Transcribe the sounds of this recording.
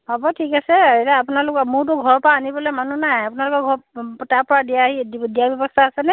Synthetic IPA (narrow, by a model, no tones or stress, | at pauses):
hɔbɔtʰikasɛetaapunalʊkɔmʊɹt̬ʊɡʱɔɹpɔɹaːnibɔlɔjmanunajapunalʊkɔɡʱɔɹtaɹpɔɹadiaɦididijabjɔbɔstʰaasɛnɛ